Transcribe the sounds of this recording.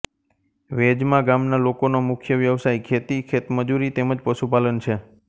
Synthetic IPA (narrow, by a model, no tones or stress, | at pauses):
ʋed͡ʒmãɡamnalokonomʊkʰjəʋjəʋsajkʰet̪ikʰet̪məd͡ʒuɾit̪eməd͡ʒpəʃupalənt͡ʃʰe